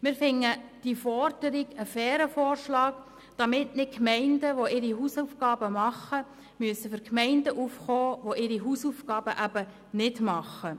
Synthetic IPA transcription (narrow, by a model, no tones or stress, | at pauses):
mɪːɾfɪŋːəd̥ifɔrd̥əɾiɡəfɛːɾəfɔːrʃlɑːk | d̥ɑmɪtnɪkmɛɪndəʋoʔɪɾiɦuːsufɡɑːbəmɑχə | myəsəfʏɾkmɛɪndəʔuːfχoːʋoʔɪɾiɦusuːfɡ̥ɑːb̥əʔæb̥ə | nɪdmɑχːə